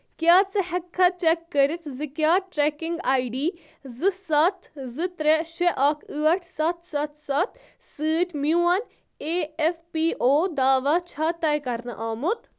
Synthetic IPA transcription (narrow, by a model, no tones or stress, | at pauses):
kjaːt͡sɐhɐkʰːɐt͡ʃɛkːɐɾit̪ʰzɨkʲjaːʈɾɛkɪŋɡaːɖiː | zɨsɐt̪ʰzɨt̪ɾeʃɛʔɐkʰɨːɐʈʰsɐt̪ʰsɐt̪ʰsɐt̪ʰsɨːʈʲmjuːɐn | eːefpiːʔoːd̪aːʋat͡ʃʰaːt̪ɐjkɐɾnɐʔaːmut̪